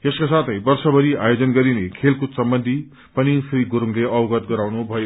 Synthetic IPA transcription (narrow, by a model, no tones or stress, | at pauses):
eskasat̪ʰʌjbʌrsʌbʱʌɾiajod͡zʌnɡʌɾinekʰelkosʌmbʌnd̪ʱi | pʌnisijɡoɾuŋleʌbɡʌt̪ɡʌɾawnubʱʌjo